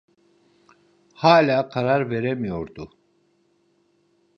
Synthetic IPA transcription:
haːlʲaːkʰaɾaɾveɾɛmijo̞ɾd̪u

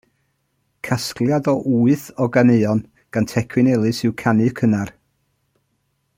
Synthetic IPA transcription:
kʰaskljadɔʔuːɨθɔɡaneɔn | ɡ̥antʰɛkʰwɪnɛlˠɨsɪwkʰanɨkʰənar

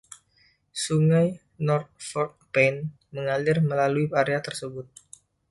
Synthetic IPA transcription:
suŋaj | nɔrt̪̚fɔrt̪̚pɛn | məŋalɪrməlaluipaɾeat̪ərsəbʊt̪̚

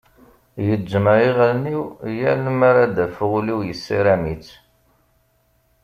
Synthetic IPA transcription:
jəd͡ʒːəməɾiʁlniwjælmaɾad̪æfəʁuliwjəsːiɾæmit͡sː

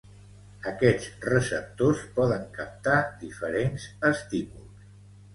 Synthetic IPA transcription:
əkɛd͡zrəsəp̚t̪ospɔðəŋkəp̚t̪ad̪ifəɾenzəst̪imulˠs

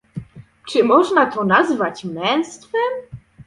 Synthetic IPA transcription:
t͡ʂɘmɔʐnat̪ɔnazvat͡ɕmmɛñst̪fɛm

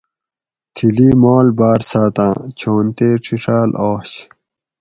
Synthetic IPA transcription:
t̪ʰiliːmoːlbaːɾsaːt̪ãːt͡ɕʰoːnt̪eːʈ͡ʂʰiʈ͡ʂʰaːloːɕ

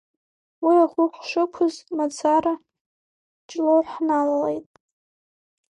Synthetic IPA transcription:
wiaʁʷʊqʷʰʼʂɨkʷʰʊzmat͡sʰaɾa | t͡ʃʼloʕħnalalejtʼ

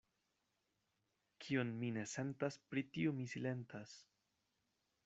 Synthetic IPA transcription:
kʰionmine̞se̞ntaspɾitiomisile̞ntas

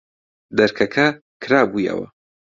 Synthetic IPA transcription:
d̪ɐɾkʰɐkʰɐ | kʰɨɾaːbuːjɐ̰wɐ̰

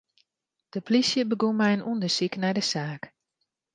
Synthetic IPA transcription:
d̥əplisjəbəɡunmɛjənʔundəsiknɛjdəsaːk

